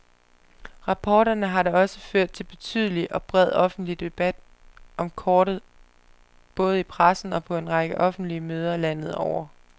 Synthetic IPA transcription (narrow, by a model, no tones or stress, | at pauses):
ʁɑ̈pʰɒːɾɐnəɦɑ̈ɾɑɒ̽səføɐ̰d̥̚t͡sʰe̝lb̥e̝t͡sʰyð̞ˠliʔɒ̽b̥ʁɛð̞̰ˠɒ̽fn̩d̥lid̥e̝b̥æd̥ | ʔɒ̽mkʰɒːɾ̥ð̩ˠ | b̥ɔ̽ːð̞̩ˠipʰʁasn̩ɒ̽pʰɒ̽e̝nʁɑ̈ɡ̥əʔɒ̽fn̩d̥liəmøːð̞ˠɐlæn̰ð̞̩ˠɒʊ̰ɐ